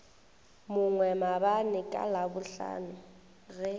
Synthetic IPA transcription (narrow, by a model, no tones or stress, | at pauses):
mʊŋwɛmabanɪkʼa̰labʊɬa̰ːnʊ | ɣɛ